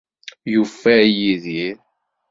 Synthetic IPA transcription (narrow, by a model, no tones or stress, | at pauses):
jufːæjiðiɾ